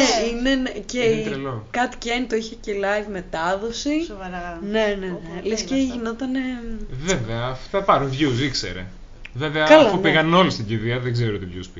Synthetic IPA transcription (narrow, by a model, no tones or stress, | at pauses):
einenecelokɐt̪i̥cent̪oiçecelɐjvme̞t̪ɐðo̞sisovɐɾɐne̞nenelesceʝino̞t̪ɐne̞veveɐft̪ɐpɐɾunvʝus̬iksḛɾḛ | veveɐkɐloopiɣɐno̞list̪iɟiðiɐðeɡzeɾoot̪ivʝuspi